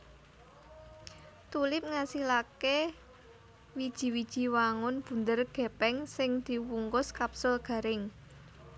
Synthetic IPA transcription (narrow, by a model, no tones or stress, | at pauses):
t̪ulɪp̚ŋasilake | wid̥ʒ̥i̤wid̥ʒ̥i̤waŋʊnb̥ṳnd̪ərɡ̥ɛ̤pɛŋsɪŋd̪̥i̤wuŋkʊskapsʊlɡ̥a̤ɾɪŋ